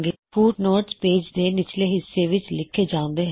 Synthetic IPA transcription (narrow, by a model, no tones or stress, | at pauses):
ɡfuːʈnoːɾspeːd͡ʒd̪eːnɪt͡ʃleːɦɪsːeːʋɪt͡ʃlɪkʰːeːd͡ʒaːʊ̃nd̪eːɦ